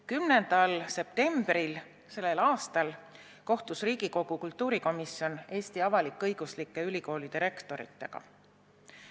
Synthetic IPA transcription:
kymnend̪̥ɑlse̞p̚t̪e̞mb̥ril | se̞lːe̞lɑːst̪ɑl | ko̞ht̪usriːɡ̥iko̞ɡ̥ukult̪ˑːuːɾiko̞misio̞ne̞ːst̪iɑvɑlikːˑɤjɡ̥uslikːˑe̞ylʲiko̞ːlid̪̥iɾe̞kt̪o̞ɾḭt̪ˑːe̞ɡ̥ɑ̰

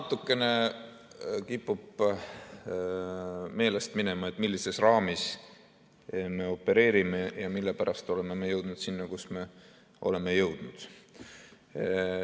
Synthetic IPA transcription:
nɑt̪ːˑukːˑe̞ne̞ | kipːˑub̥ | me̞ːle̞st̪mine̞mɑe̞t̪ːˑmilːise̞srɑːmis | me̞o̞pːe̞ɾe̞ːɾime̞jɑmilːe̞pæɾɑst̪o̞le̞me̞me̞jɤwd̪̥nud̪sinːɑkusme̞ | ʔo̞̰le̞me̞jɤwd̪̥nud̪̥

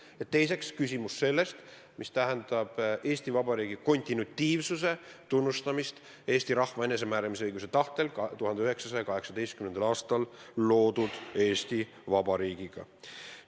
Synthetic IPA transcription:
et̪ːe̞js̬e̞kskys̬ʲimusːe̞lːe̞st̪ | mist̪æɦend̪̥ɑb̥e̞ːst̪ivɑbɑɾiːɡ̥iko̞nʲt̪ʲinut̪ʲːiːvsuse̞t̪unːust̪ɑmist̪ | e̞ːsʲt̪iɾɑhvɑene̞s̬e̞mæːɾɑmis̬ɤjɡus̬e̞t̪ɑht̪e̞lkt̪uɦɑnd̪eyɦeksɑsɑjɑkɑɦe̞ksɑd̪̥e̞jst̪kymend̪ɑlɑːst̪ɑlːo̞ːd̪̥ud̪̥e̞ːst̪i | vɑbɑɾiːɡ̥iɡ̥ɑ̰

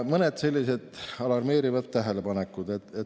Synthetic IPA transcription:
mɤned̪se̞lʲːise̞d̪̥ɑlɑrme̞ːɾivɑd̪t̪æɦe̞le̞pɑnekːˑud̪̥et̪ːet

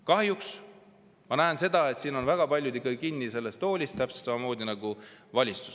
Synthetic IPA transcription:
kɑhjuks | mɑnæense̞d̪̥ɑe̞t̪siːnonvæɡ̥ɑpɑlʲjud̪ikːɑɡ̥ikinːise̞lːe̞st̪ːo̞ːlʲist̪æpse̥t̪sɑmɑmo̞ːd̪̥inɑɡ̥uvɑlʲitt͡su̥s

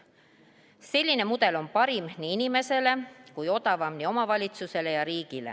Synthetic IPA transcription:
se̞lʲːine̞mud̪e̞lo̞mpɑɾimniinime̞se̞le̞kujo̞d̪ɑvɑmnio̞mɑvɑlʲit̪suse̞le̞jɑɾiːɡ̥ile̞̰

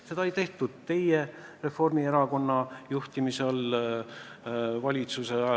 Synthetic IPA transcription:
se̞d̪ɑejt̪e̞ht̪ud̪̥̚t̪e̞jere̞fo̞rmie̞ɾɑko̞nːɑjuht̪imisel | vɑlʲit̪suse

